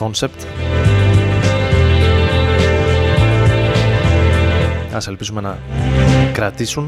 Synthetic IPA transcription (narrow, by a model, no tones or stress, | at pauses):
onse̞pt̪ | ɐse̞lpizume̞nɐ | kɾɐt̪isun